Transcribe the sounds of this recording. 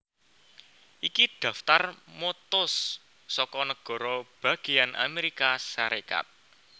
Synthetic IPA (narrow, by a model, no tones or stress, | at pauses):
ʔikid̪̥ä̤ft̪armot̪ʊsː | ɔkɔnəɡ̥ɔ̤ɾɔb̥ä̤ɡ̥i̤janʔa̰meɾikaʃaɾeka̰t̪̚